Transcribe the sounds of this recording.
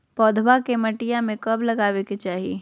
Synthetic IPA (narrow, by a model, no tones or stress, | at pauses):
pɔːd̪ʱwakemɐʈijamẽkɐblɐɡaːweket͡ʃaːɦie